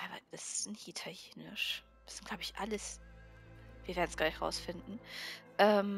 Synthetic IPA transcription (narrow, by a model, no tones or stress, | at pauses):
ava̰d̥asɪ̥snhitʰaljeːnɪ̰ʃ | v̥asɪstɡ̥laʊbɪçʔaləs | viːɐveɐdn̩sɡ̥laːɪçʁa̰ʊsfɪndn̩ʔɛːm